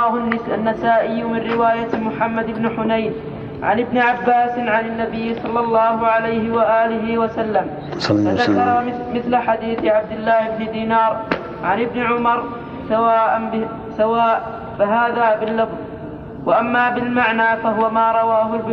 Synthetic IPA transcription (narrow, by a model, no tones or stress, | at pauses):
aːɦʊnanːasaːʔɪjːmɪnɾɪwaːjamʊħamːad̪ɪbnʊħʊnajn | ʕa̰nɪbnɪʕabːaːsɪnʕanɪnːabɪjːsˤɑlːɑlˤːɑːhʊʕalajhɪwaʔaːlɪɦɪwasalːam | faðakɑɾˤɑ | mɪθlaħad̪iːθɪʕab̚d̪ɪlːaːhɪbnɪd̪iːnɑːɾˤ | ʕa̰nɪbnɪʕʊmɑɾˤ | sawaːʔanb | sawaːʔ | faɦaːðaːbɪlːɑfðˤ | waʔamːaːbɪlmaʕnaːfaɦʊwamaːɾˤɑwaːɦʊlb